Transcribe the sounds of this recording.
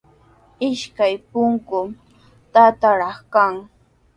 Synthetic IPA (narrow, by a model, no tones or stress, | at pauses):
ɪʃkajpʊŋkʊ | t̪at̪aɾɑχkaŋ